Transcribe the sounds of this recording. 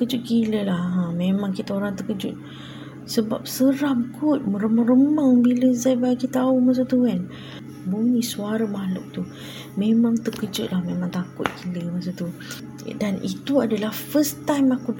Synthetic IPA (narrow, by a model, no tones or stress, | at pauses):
əkəd͡ʒʊt̪̚kiləlahãmẽmãŋkit̪aoɾaŋt̪əkəd͡ʒʊ̰t̪̚ | səba̰p̚səɾamkʊt̪̚məɾəmaŋrəmaŋbiləzajbakit̪aumas̬at̪ukan | bunisuaɾamalʊ̰k̚t̪u | mẽmãŋt̪əkəd͡ʒʊt̪̚lahmemãŋt̪akʊt̪̚kiləmas̬ot̪u | danḭt̪uadalahfəst̪ajmaku